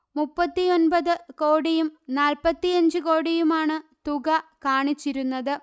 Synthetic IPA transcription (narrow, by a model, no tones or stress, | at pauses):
mupːɐt̪ːijo̞nbɐðɨko̞ːɽijumnaːlpɐt̪ːijɐɲd͡ʑɨko̞ːɽijumaːɳɨt̪uɣɐkaːɳit͡ɕːiɾunːɐðɨ